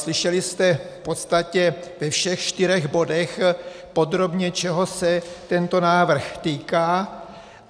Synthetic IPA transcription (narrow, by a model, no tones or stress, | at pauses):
slɪʃɛlɪst̪ɛfpo̞t̪st̪acɛvɛfʃɛxʃt̪ɪɾɛɣbo̞dɛx | po̞d̪ɾo̞bɲɛt͡ʃɛɦo̞sɛt̪ɛnt̪o̞naːvr̩xt̪iːkaː